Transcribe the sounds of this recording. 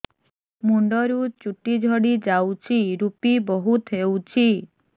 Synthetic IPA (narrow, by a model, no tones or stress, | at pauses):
muɳɖɔɾut͡ʃuʈid͡ʒʱɔɽid͡ʒawt͡ʃʰiɾupibɔɦut̪ʰɦewt͡ʃʰi